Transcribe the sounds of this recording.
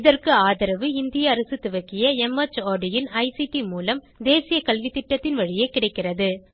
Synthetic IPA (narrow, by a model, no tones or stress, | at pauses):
ɪðɐrkɯaːðɐɾɐʋɯɪnd̪ɪjɐːɾɐsɯt̪ʊʋɐkːɪjɐɛmɐt͡ʃaːɖɪjɪnɐɪsiʈimuːlɐm | d̪eːsɪjɐkɐlʋit̪ɪʈːɐt̪ːɪnʋɐɻɪjeːkɪɽɐɪkːɪrɐðɯ